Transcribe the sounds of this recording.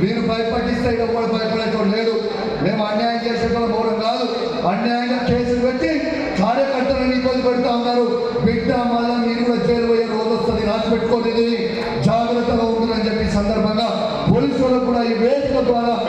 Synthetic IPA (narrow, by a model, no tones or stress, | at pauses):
niːɾubʱɐjpɐʈːist̪eːiɽɐʋːaːɽɐbʱɐjɐpɐɽɐt̪oːɾle̞ːd̪u | neːmuɐnjaːjɐmt͡ʃeːsɐtɐlɐbɐʋɐɽɐmkaːd̪u | ɐnjaːjɐŋɡaːke̞ːsuluʋek̪ːi | kaːɾjɐkɐɾt̪ːɐluiibɐnd̪ipɐɽit̪aːunːaːɾu | ʋiɡaːmaːlɐniːɾuɐt͡ʃeːɾuʋɐjɐɾoːd̪ɐst̪ɐnd̪inaːtpeʈːukoːʈid̪ii | d͡ʒaːɡɾɐt̪ːɐlɐund̪unɐnd͡ʒepːiːsɐnd̪ɐɾbʱɐŋɡaː | poːliːsʋɐlɐkuːɽaiːʋeːd̪ikɐd̪ʋaːɾaː